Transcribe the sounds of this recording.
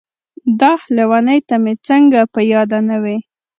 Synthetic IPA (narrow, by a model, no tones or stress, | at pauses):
d̪ɑhlewanəjt̪amet͡səŋɡapəjɑd̪anawi